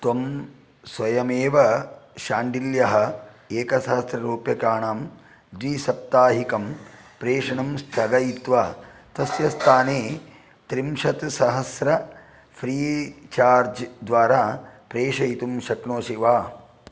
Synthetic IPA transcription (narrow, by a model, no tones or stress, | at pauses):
t̪om | sʋɐjɐmeːʋɐʃaːɳɖiljɐɦɐ̆eːkɐsɐɦɐsɾɐɾuːpjɐkaːɳaːm | d̪ɾiːsɐp̚t̪aːɦikɐmpɾeːʂɐɳɐmst̪ʰɐɡɐjit̪ʋaːt̪ɐsjɐst̪ʰaːneː | t̪ɾimʃɐt̪sɐɦɐsɾɐ | fʰɾiːt͡ʃaːɾd͡ʒd̪ʋaːɾaːpɾeːʂɐjit̪umʃɐknoːʃiʋaː